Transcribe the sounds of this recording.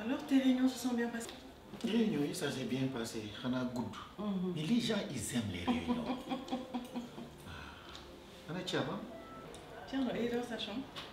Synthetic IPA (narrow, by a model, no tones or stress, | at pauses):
alɔʁt̪eʁeɲɔ̃swasɑ̃bjɛ̃pas | teʁeɲɔ̃jisas̬ebjɛ̃pasexanaɡudumĩliʒãʔizɛmlḛɾḛɲɔ̰̃ | a | anɛt͡ʃiabã | tjɛ̃ledɔʁsaʃɑ̃